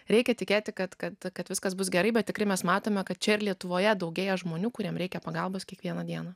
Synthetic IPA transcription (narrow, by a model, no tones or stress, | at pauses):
ɾʲɛɪkʲɛt̪ʲɪkʲeːt̪ʲɪkɐt̪kɐt̪kɐt̪ʋʲɪskɐsbʊsɡʲɛɾɐɪbʲɛt̪tʲɪkɾɐɪmʲɛsmɑːt̪oːmʲɛkɐt̪̚t͡ʃʲɛɪɾlʲiɛt̪ʊʋoːjɛd̪ɒʊɡʲeːjɛʒmoːnʲuːkʊɾʲiɛmɾʲɛɪkʲɛpɐɡɐlˠboːskʲiɛkʋʲiɛnɐd̪ʲiɛnɐ